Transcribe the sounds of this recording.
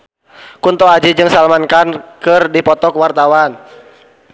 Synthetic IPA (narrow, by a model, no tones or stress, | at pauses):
kunt̪ɔad͡ʒid͡ʒɨŋsalmankankɨrdipɔt̪ɔkwart̪awan